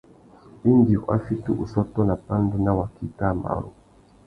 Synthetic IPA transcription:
i˦nɡḭ˨ʔa̰˦fi˦tu˦ʔu˨sɔ˦tɔ˦na˨pa˦n˦du˦na˦wa˨ki˨ta˦˨ma̰˨ɾo̰˨

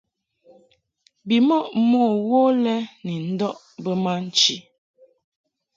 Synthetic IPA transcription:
bi˨mɔ˦˨ʔmoː˦˨wo˦lɛ˦ni˨n̩˦dɔ˦ʔ | bə˦ma˦n̩˨t͡ʃi˨

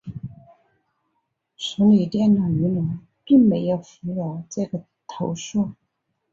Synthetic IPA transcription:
sʰʊ˧˥ŋli˨˩t̪jɛ˥˩nna˨˩y˧˥na˨˧˥ŋ | pi˥˩ŋme˧˥ɪjo˨˩ʊfu˧˥jɑ˧˥ʊʈ͡ʂɤ˥˩ɡə˩ | t̪ʰo˧˥ʊʂu˥˩

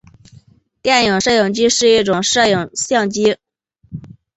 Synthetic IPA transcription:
t̪jɛ˥˩njɤ˨˩ŋʂɤ˥˩jʊ˨˩ŋt͡ɕi˥ʂɻ̩˥˧i˥˩ʈ͡ʂʊ˨˩ŋʂɤ˥˩jʊ˨˩ŋɕjɑ˥˩ŋt͡ɕi˥

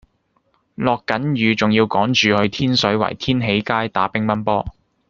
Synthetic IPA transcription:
lɔː˨kːɐ˨˥njyː˨˧t͡sʊ˨ŋjiː˧wkɔː˨˥ŋt͡ʃyː˨hɵ˧ɥt̪ʰiː˥nsɵ˨˥ɥwɐ̰˨˩jt̪ʰiː˥nɦe˨˥jkaː˥jt̪aː˨˥pɪ˥ŋmɐ˥npɔː˥

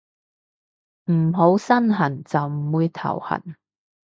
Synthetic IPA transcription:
m̩˨˩ɦo˨˥wsɐ˥nɦɐ˨˩nt͡sɐ˨wm̩˨˩wuː˨˧jt̪ʰɐ̰˨˩whɐ̰˨˩n

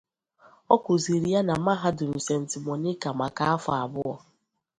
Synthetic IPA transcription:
ɔ˦kʷʊ˨zi˨ɾi˨˦ja˦na˨˦a˦ɦa˦dʊ˨n̩˨se˨n̩˨tɪ˨mɔ˨nɪ˦ka˨ma˨ka˦a˦fa˨a˨bʊ˦ɔ˨

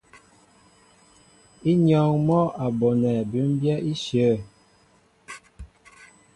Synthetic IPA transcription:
i˦ɲɔ˦˨ŋmɔ˦a˨bɔ˨nɛ˨bʉ˨˦mbjɛ˦i˦sjə˨˦˨

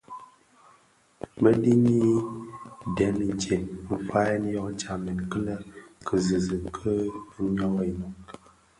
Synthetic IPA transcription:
mə˦di˦ni˦ | dɛ˨˦n˨t͡ʃe˨m̩˨fa˦n˦jɔ˦kt͡ʃa˨mi˨n˨kə˦lə˦kʰə˨zɨ˨zɨ˨kʰə˦ɲɔ˦i˨nɔ˨

